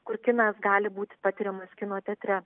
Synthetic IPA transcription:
kʊɾkʲɪnɑːsɡɑːlʲɪbuːt̪ʲɪpɑːt̪ʲɪɾʲɛmɐskʲɪnoːt̪ʲɛt̪ʲɾʲɛ

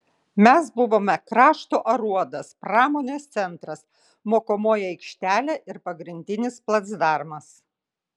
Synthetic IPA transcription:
mʲɛsbʊʋoːmʲɛkɾɑːʃt̪oːʔɐɾuɔd̪ɐspɾɑːmoːnʲeːst̪sʲɛnt̪ɾɐs | moːkoːmoːjɛɛɪkʃʲt̪ʲæːlʲeʔɪɾpɐɡɾʲɪnʲd̪ʲɪnʲɪsplˠɐd̪zd̪ɑˑɾmɐs

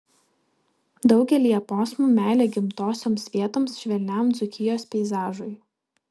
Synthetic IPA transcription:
d̪ɒʊɡʲɛlʲiːjɛpoːsmuːmʲæˑːlʲeːɡʲɪmt̪oːsʲoːmsʲʋʲiɛt̪oːmsʃʲʋʲɛlʲnʲɛmd̪zʊkʲɪjoːspʲɛɪzɑːʒʊɪ

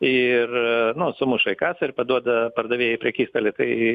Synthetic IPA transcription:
ɪrnʊsʊmʊʃɐɪkɑːsɐɾʲpɐd̪uɔd̪ɐpɐrd̪ɐʋʲeːjɛɪpʲɾʲɛkʲiːst̪ɐlʲɪt̪ɐɪ

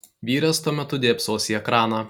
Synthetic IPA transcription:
ʋʲiːɾʲɛst̪uɔmʲɛt̪ʊd̪ʲeːpsoːsʲiɛkɾɑːnɑ

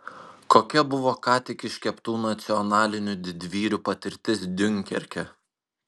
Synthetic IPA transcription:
koːkʲɛbʊʋoːkɑːt̪ʲɪkʲɪʃʲkʲɛpt̪uːnɐt̪sʲɪɔnɑːlʲɪnʲʊd̪ʲɪd̪ʲʋʲiːɾʲupɐt̪ʲɪɾʲt̪ʲɪsd̪ʲʊŋʲˑkʲɛ̰ɾʲkʲɛ

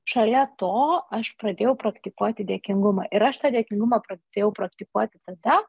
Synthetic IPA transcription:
ʃɐlʲɛt̪oːɐʃpɾɐd̪ʲeːjɛʊpɾɐkt̪ʲɪkuɔt̪ʲɪd̪ʲeːkʲɪŋɡʊmɐʔɪɾɐʃt̪ɑːd̪ʲeɛkʲɪŋɡʊmɐpɾɐd̪ʲeːjɛʊpɾɐkt̪ʲɪkuɔt̪ʲɪt̪ɐd̪ɐ

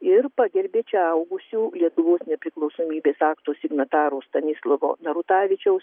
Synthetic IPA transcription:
ɪɾpɑːɡʲɛɾʲbʲeːt͡ʃʲɛɐʊɡʊsʲuːlʲiɛt̪ʊʋoːsnʲɛpʲɾʲɪklˠɒʊsoːmʲiːbʲeːsɑːkt̪oːsʲɪɡnɐt̪ɑːɾost̪ɐnʲɪslˠɐʋo̰ːnɐɾʊt̪ɑːʋʲɪt͡ʃʲɛʊs

